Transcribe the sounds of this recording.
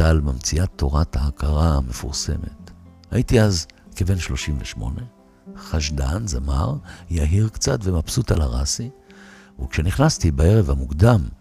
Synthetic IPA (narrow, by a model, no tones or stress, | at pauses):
almamt͡siat̪ʰːo̞ʁathaːkʰaʁame̞fuʁse̞̰me̞̰thaitiazkeve̞nʃlo̞ʃimvleʃmo̞̰ne̞ | χaʃdanzama̰ʁjaɦiʁkt͡satvemapsutalaʁasi | ukʃeniχnastibae̞ʁevhamukdam